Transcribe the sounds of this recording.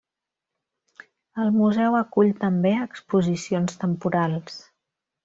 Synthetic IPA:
əlˠmuzɛwəkuʎt̪əmbeəkspuzisionst̪əmpuɾalˠs

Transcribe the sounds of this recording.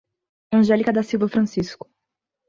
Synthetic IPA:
ɐ̃ʒɛlikɐd̪ɐsiwvɐfɾɐ̃siskʊ̥

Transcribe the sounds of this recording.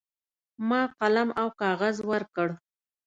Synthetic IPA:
mɑqalamawkɑɣazwəɾkəɽ

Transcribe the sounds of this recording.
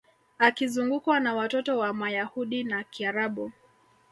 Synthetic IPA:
akizuŋɡukwanawatɔtɔwamajahuɗinakiaɾaɓu

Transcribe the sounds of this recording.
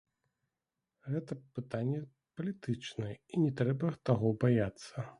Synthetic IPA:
ɣɛt̪ɐpɨt̪anʲːɛ | pɐlʲit̪ɨt͡ʂnɨɛinʲɛt̪ɾɛbɐt̪aɣɔbajat̪sːɐ

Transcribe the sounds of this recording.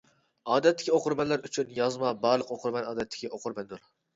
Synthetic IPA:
ɑːd̪ɛt̪ʰːɪ̥kʲioqʊɾmɛnlːæɾyt͡ʃʰynjɑzmɑbɑɾlˠəqoqʰʊɾmɛnɑːd̪ɛt̪ʰːɪ̥kʲʰiʔoqʰʊɾmɛnd̪ʊɾ

